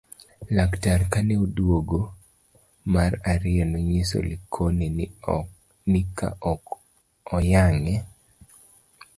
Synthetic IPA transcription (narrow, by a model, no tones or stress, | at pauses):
laktaɾkaneodwoɡo | maɾaɾɪɛnoɲiso̰likʰoni | nɪka̰ | ɔjaŋɛ